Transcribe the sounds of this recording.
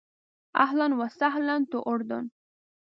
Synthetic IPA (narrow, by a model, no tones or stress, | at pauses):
a̰ɦlanwasaɦlant̪oʔʊɾd̪ʊ̰n